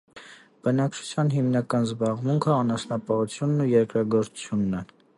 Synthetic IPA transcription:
b̥ənɑkt͡ʃʰu̥t͡sʰjɑnɦimnɑkɑnzbɑʁmuŋkʰəɑnɑsnɑpɑut͡sʰjunːujɛɾkɾɑɡɔɾt͡su̥t͡sʰjunːɛ

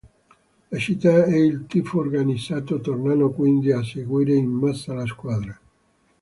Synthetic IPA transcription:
lat͡ʃit̪ːaɛilt̪ifooɾɡanisat̪ot̪ornanokwind̪iaseɡwiɾeimmasalaskwaðɾa

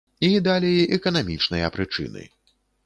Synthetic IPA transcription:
id̪alʲejʔɛkɐnamʲit͡ʂnɨjɐpɾɨt͡ʂɨ̰nɨ̰

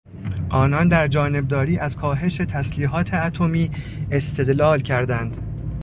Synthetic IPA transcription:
ʔɒːnɒːnd̪æɾd͡ʒɒːne̞b̚d̪ɒːɾiːʔæzkʰɒːɦe̞ʃe̞t̪ʰæsliːɦɒːt̪ʰe̞æt̪ʰo̞miː | e̞st̪ʰe̞d̪lɒːlcʰæɾd̪ænd̪

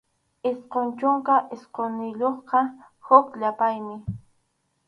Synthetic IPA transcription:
ɪsqont͡ʃʊŋkaʔɪsqonɪʎoχqɑ | hʊkʎapajmɪ

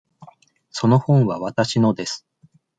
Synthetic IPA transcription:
so̞no̞hõ̞ɰ̃βaβat̪aɕino̞d̪e̞sɨ̥

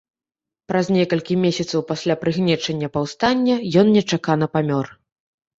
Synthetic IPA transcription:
pɾɐznʲɛkɐlʲkʲimʲesʲɐt̪sɐwpasʲlʲapɾɨɣnʲɛt͡ʂɐnʲːɐpɐwst̪anʲːɐjɔnnʲɛt͡ʂakanɐpamʲɔr

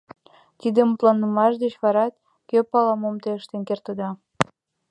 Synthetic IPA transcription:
t̪id̪əmut̪lɑnːəmɑʃd̪et͡ɕβɑɾɑt̪̚ | køpɑlɑmomt̪eəʃt̪enkert̪əd̪ɑ

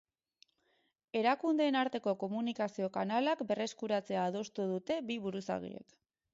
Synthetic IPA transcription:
e̞ɾakund̪e̞ːnaɾt̪e̞ko̞ko̞munikasio̞kanalakbe̞re̞skuɾat͡se̞aːð̞o̞st̪uð̞ut̪e̞biβuɾusa̰ɣḭḛk

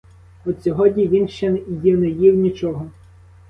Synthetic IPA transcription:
ɔsʲɔɦɔdʲnʲiʋʲinʃt͡ʃɛjinɛjiwnʲit͡ʃɔɦɔ

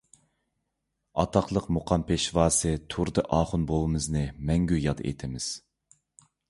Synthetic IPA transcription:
ɑ̰t̪ʰɑqlˠəqmuqʰɑmpʰeʃvɑːsɨt̪ʰuɾd̪ɨʔɑːχʊnbolˠɨmɨznɨmɛŋɡʲyjɑd̪ɨ̰ʔḛt̪ʰɪmɪz̥

